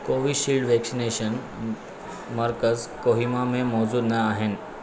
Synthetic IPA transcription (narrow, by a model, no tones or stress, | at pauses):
koʋiːʃilɖʋɛksineʃən | məɾkəzkoɦimamẽmɔd͡zuːd̪nəaɦen